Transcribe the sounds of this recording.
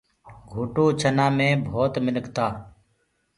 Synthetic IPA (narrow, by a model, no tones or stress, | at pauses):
ɡʱuːʈõːt͡ʃʰənãːmẽːbʱoːt̪mɪnəkt̪aː